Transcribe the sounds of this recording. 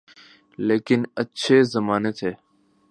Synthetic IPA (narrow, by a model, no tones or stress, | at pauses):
leːkɪnətːʃʰeːzəmaːneːt̪ʰeː